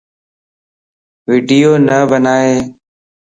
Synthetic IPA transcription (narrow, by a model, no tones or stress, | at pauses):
ʋiːɖijoːnəbənaːeː